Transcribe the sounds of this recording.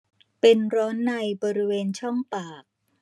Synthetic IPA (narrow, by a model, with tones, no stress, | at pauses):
pe˧nɾɔː˦˥nːa˧jbɔː˧ɾi˦˥weː˧nt͡ɕʰɔ˥˩ŋpaː˨˩k̚